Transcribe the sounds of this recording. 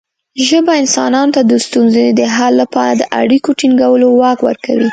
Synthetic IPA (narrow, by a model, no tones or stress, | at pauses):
ʒəbaɪnsɑ̰nɑnot̪ad̪əst̪unzəed̪əɦalːapɑɾad̪əʔa̰ɽikoʈiŋɡawəlowɑkwə̰ɾka̰wi